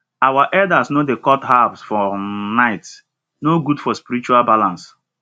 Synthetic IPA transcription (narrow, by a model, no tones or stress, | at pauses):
awaʔɛdasnodekɔtɦabsfɔnaɪt | noɡudfɔspiɾɾit͡ʃualbalãns